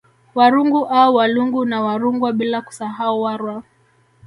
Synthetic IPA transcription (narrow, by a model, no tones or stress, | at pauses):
waɾuŋɡuʔauwaluŋɡunawaɾuŋɡwaɓilaku̥saɦauwaɾwa